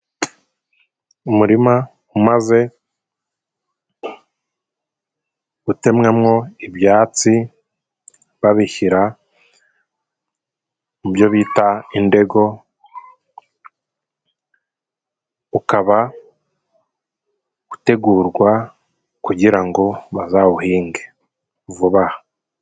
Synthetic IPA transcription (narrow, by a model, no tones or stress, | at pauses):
umuɾima | umaze̞ | ute̞mŋamŋo̞ibjaːt͡si | βaβiçiɾa | mubjo̞βiːtainde̞ɡo̞ | ukaβa | ɡ̥ute̞ɡuːɾɡwa | kuɟiɾaŋɡo̞βazaβuhiːŋɡe̞ | vuβaha